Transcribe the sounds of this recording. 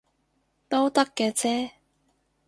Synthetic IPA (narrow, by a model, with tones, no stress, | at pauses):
t̪o˥wt̪ɐ˥kːɛː˧t͡sʰɛː˥